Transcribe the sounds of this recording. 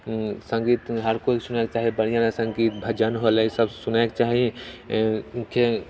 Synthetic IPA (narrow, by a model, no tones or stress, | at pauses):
sə̃ŋɡiːt̪ɦəɾkoisunak̚t͡ʃaːɦibəɽijanasə̃ŋɡiːt̪bʱəd͡ʒənɦolaisəbsʊnaekt͡ʃaːɦi | kʰe